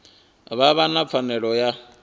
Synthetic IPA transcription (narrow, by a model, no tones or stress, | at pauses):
βaβanap̪fʰanɛɺɔja